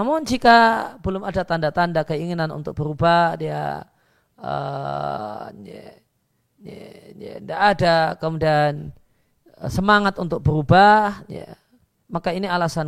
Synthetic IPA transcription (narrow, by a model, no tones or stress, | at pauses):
amʊnd͡ʒikabəlʊmadat̪andat̪andakəiŋinanṵnt̪ʊk̚bəɾubahdia̰ | ə̰ | ndaʔːdakəmudian | səmaŋat̪unt̪ʊk̚bəɾubahja̰ | makainialasan